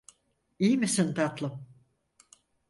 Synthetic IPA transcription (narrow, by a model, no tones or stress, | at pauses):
ijmisint̪ʰat̪lˠɯm